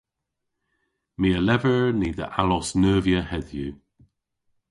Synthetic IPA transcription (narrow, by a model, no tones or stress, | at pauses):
miəlɛvəɹniːðə̰ʔalɔsnɜːvjəhɛðjuː